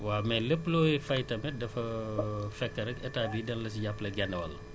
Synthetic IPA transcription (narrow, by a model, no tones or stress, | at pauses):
waːmɛləpːlɔːjifɐjtɐmɛdɐfɐfɛkːɐɾɐkɛtaːbiːdɐnlɐs̬iɟapːlɐɡɛnːɐwɐ̰lɐ